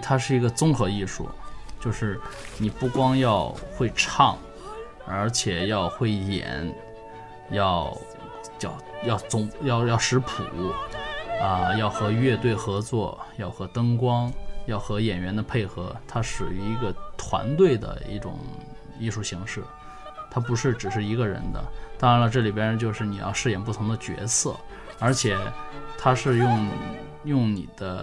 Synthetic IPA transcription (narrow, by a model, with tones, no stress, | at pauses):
t̪ʰa˥ʂ̬ɻ̩˥˩i˧˥ɡə˧t͡sʊ˥ŋxɤ˧˥i˥˧ʂṵ˥˩t͡ɕjo˥˧ʊʂɻ̩˥˩ni˨˩pu˥˩kwɑ˥ŋjɑ˥˧ʊxwe˥˧ɪʈ͡ʂʰɑ˥˩ŋ | ə˞˧˥t͡ɕʰjɛ˨˩jɑ˥˧ʊxwe˥˩ɪjɛ̰˨˩˦n | jɑ˥˧˩ʊ | t͡ɕjɑ˥˩ʊjɑ˥˩ʊt͡sʊ˥ŋjɑ˥˧ʊjɑ˥˩ʊʂɻ̩˧˥pʰṵ˨˩˦ | ə˧jɑ˥˩ʊxɤ˧˥ɥɛ˥˧t̪̬we˥˩ɪxɤ˧˥t͡swɔ˥˩jɑ˥˩ʊxɤ˧˥t̪ɤ˥ŋkwɑ˥ŋjɑ˥˩ʊxɤ˧˥jɛ˨˩nɥɛ˧˥nd̪ə˧pʰe˥˩ɪxɤ˧˥t̪ʰa˥ʂɻ̩˨˩y˧˥i˧˥ɡə˧t̪ʰwa̰˧˥nt̪we˥˩ɪd̪ə̰˩ḭ˥˩ʈ͡ʂʊ̰˨˩ŋ | i˥˧ʂu˥˩ɕi˧˥ŋʂɻ̩˥˩ | t̪ʰa˥p̬u˧˥ʂɻ̩˥˩ʈ͡ʂɻ̩˨˩ʂɻ̩˥˩i˧˥ɡə˧ɻə̰˧˥nd̪ə̰˧t̪ɑ˥ŋɻa˧˥nlə˧ʈ͡ʂɤ˥˩li˨˩jɛ˧˥˧t͡ɕjo˥˧ʊʂɻ̩˥˩ni˨˩jɑ̰˥˧ʊʂɻ̩˥˩jɛ˨˩np̬u˥˩t̪ʰʊ˧˥ŋd̪ə˧t͡ɕɥɛ̰˧˥sɤ̰˥˩ | ə˞˧˥t͡ɕʰjɛ˨˩˦t̪ʰa˥ʂɻ̩˥˧jʊ˥˩ŋ | jʊ˥˩ŋnḭ˨˩d̪̥ə˦